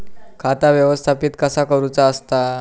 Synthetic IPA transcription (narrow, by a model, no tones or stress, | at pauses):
kʰat̪aʋjəʋəst̪ʰapiːt̪kəsakəɾut͡saəst̪a